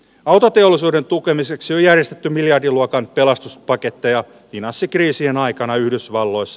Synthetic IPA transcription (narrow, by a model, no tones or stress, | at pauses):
ɑwt̪ot̪e̞olːˑisuːde̞nt̪uke̞mise̞ksiojærje̞st̪et̪ːymiljɑrdiluokɑnpe̞lɑst̪uspɑke̞t̪ːejɑ | ʋinɑsːikriːsienɑjkɑnɑyhdysʋɑlːo̞jsːɑ